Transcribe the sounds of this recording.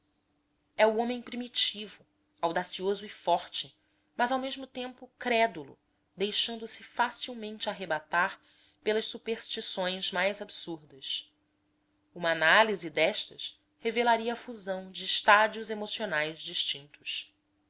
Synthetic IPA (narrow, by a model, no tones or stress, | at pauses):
ɛuõmẽj̃pɾimit͡ʃivʊ | awd̪asiozʊifɔɾt͡ʃɪ | mɐzawmeʒmʊt̪ẽmpʊkɾɛd̪ulʊ̰ | d̪ejʃɐ̃nd̪ʊsɪfasiwmẽnt͡ʃɪaɦebat̪aɾ | pelɐʃsupeɾʃt͡ʃisõj̃zmajzabsuɾd̪ɐs | ũmɐanalizid̪ɛʃt̪ɐs | hevelaɾiɐːfuzɐ̃w̃d͡ʒɪːʃt̪ad͡ʒiuzemosionajzd͡ʒiʃt͡ʃĩnt̪ʊ̥s